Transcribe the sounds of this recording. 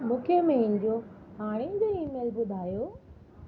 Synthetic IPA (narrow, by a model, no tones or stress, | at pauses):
mũːkʰemẽĩːnd͡ʑioɦaːɽ̃ẽd͡ʑoiːmeːlbʊd̪ʱaːjoː